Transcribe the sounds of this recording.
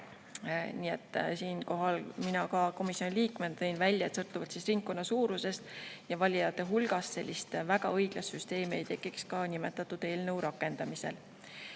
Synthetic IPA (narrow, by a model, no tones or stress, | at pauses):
niːe̞t̪ˑːsiːnko̞ɦɑlminɑkɑko̞misjo̞niliːkment̪ɤjnvælʲːjɑet̪sɤlrt̪ːˑuvɑt̪sisriŋk̚kːo̞nːɑsuːɾuse̞st̪jɑvɑlʲiɑt̪ːˑeɦulɡ̥ɑst̪se̞̰lʲːist̪væɡ̥ɑ̰ɤjɡ̥lɑst̪syst̪e̞ːmie̞jt̪e̞kːˑikskɑnimet̪ːˑɑt̪ːˑud̪̥e̞ːlnəuwɾɑkːˑe̞nd̪̥ɑmise̞̰l